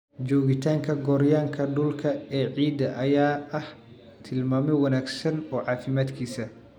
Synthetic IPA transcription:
d͡ʒɔːɣɪt̪ʰaːŋkʰɐɡɔːɾjaːŋkʰɐɖʊlkʰɐɛːʕiːd̪ɐʔɐjaːɐh | t̪ʰɪlmaːmɛwɐnaːɡsɐnɔːʕɑːfɪmaːd̪kʰiːsɐ

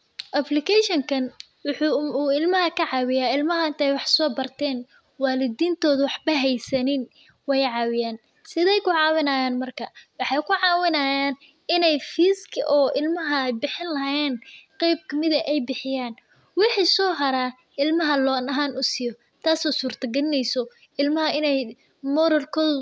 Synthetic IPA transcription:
ʔɐplɪkʰɛʃɔŋkʰɐn | wʊħuːɪlmɐɦɐkʰɐʕɑːwɪjaːɪlmɐɦɐːnt̪ʰɛjwɑħsɔːbɐrt̪ʰɛːn | waːlɪd̪iːnt̪ʰɔːðʊwɑħbɐɦɛjsɐnɪn | wɛjʕɑːwɪjaːn | sɪðɛjkʰʊʕɑːwɪnɐːjaːnmɐrkʰɐwɑħɑjkʰʊʕɑːwɪnɐjaːn | ʔɪnɛjfiːskʰɪʔɔːʔɪlmɐɦɐjbɪħɪnlɐɦjɛːnqɛjb̚kʰɐmɪðɐʔɛjbɪħɪjaːn | wɪħiːsɔːɦɐɾaː | ɪlmɐɦɐlɔːnɐɦaːnʊsɪjɔ | t̪ʰaːsɔːsuːrt̪ʰɐɡɐlɪnɛjsɔ | ɪlmɐɦɐɪnɛj | mɔɾɐlkʰɔːðʊ

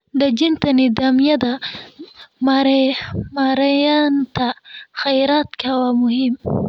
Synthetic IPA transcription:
d̪əd͡ʒint̪anid̪amjad̪a | mɾmɑɾajɑnt̪axajɾɑt̪kawamʊhɪm

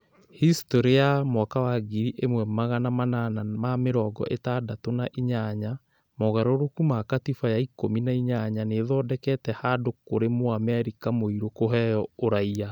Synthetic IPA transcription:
histoɾeamwakawaɡiɾiʔemwɛmaɣanamananamameɾɔːɡɔ̰ʔetaːdatonaʔiɲaɲa | moɣaɾoɾokumakatifajaikominaiɲaɲaneːðɔdɛkɛtɛhaːdokoɾemoamɛɾikamoiɾokoɦɛjɔoɾaia

